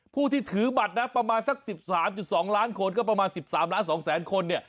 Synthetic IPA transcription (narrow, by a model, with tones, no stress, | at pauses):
pʰuː˥˩t̪ʰiː˥˩t̪ʰɯː˩˦ba˨˩t̪̚na˦˥pɾa˧maː˧nsa˦˥k̚si˨˩p̚saː˩˦mt͡ɕu˨˩t̪̚sɔː˩˦ŋlaː˦˥nkʰo˧nkɔː˥˩p̬ɾa˧maː˧nsi˨˩p̚saː˩˦mlaː˦˥nsɔː˩˦ŋsɛː˩˦nkʰo˧nːi˥˩ɐ